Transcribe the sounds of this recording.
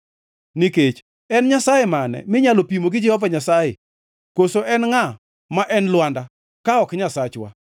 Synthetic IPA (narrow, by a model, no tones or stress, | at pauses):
niket͡ʃ | ɛnɲasajemanɛ̰mɪɲalopimoɡɪd͡ʒɛhɔvaɲasajḛ | kosoʔɛnŋa | maʔɛnlwanda | kaɔkɲasat͡ʃwa̰